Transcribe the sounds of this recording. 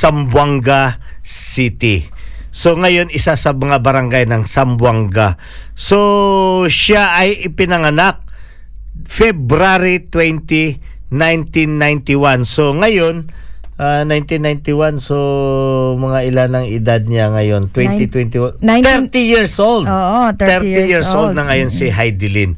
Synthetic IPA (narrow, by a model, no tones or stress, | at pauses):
sɐmbwaŋɡasit̪i | so̞ŋɐjo̞nɪsasɐmɐŋabɐɾɐŋɡajnɐŋsɐmbwaŋɡa | so̞ | ʃaʔɐjɪpɪnɐŋɐnak̚ | fɛbɾaɾit̪wɛnt̪i | najnt̪inːajnt̪iwanso̞ŋɐjo̞nʔanajnt̪inːajnt̪iwanso̞ | mɐŋaʔɪlanɐŋɪd̪ad̪̚ɲaŋɐjo̞nt̪wɛnt̪it̪wɛnt̪iwat̪ɛɾt̪ijiɹsʔoldt̪ɛɾt̪ijiɹsʔolˠd̪nɐŋɐjo̞nsiɦajd̪ɪlin